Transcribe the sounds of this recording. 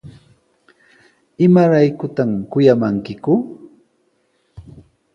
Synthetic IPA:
ɪmaɾajkʊt̪amkʊjamaŋkɪkʊ

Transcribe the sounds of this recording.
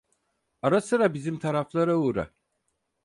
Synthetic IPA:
aɾasɯɾabizimt̪ʰaɾaflˠaɾauːɾa̰

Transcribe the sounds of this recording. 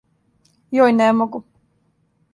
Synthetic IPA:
jɔjnɛmɔɡu

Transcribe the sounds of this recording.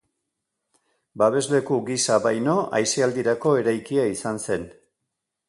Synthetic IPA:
baβ̞e̞zle̞kuɡisaβajno̞ʔajsiald̪iɾako̞e̞ɾajkiaisanse̞n

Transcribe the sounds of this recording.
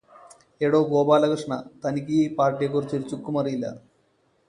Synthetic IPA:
eːɽoːɡoːpaːlɐkɐɾʂɳɐ̰t̪ɐnikiːpaːɾʈijek̬oɾt͡ɕiɾt͡ɕukːumɐɾilːɐ̰

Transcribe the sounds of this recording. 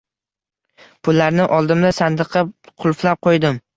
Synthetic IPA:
pʰʊlːaɾnɪʔɒlˠd̪ɪmlasand̪ɨqʰɑqʰʊlˠflap̚qʰojd̪ɪm

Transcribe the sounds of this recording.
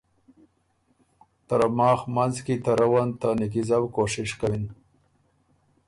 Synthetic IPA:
t̪aɾamɑːxmanzkit̪aɾawant̪anik̬izawkoʂɪʂkawin

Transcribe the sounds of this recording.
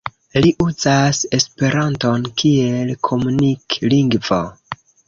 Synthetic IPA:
liʔuzase̞spe̞ɾanto̞nkʰie̞lkʰo̞munikliŋɡvo̰

